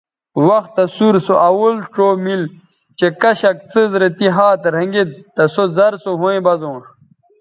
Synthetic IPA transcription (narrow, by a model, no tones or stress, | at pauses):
wɐxt̪ːɐsuɾsoʔɐwulʈ͡ʂoːmil | t͡ɕekɐɕɐk̚t͡sɨzɾet̪iɦaːt̪ɾɐŋɡit̪̚ːɐsozɐɾsoɦuẽbɐzõːʂ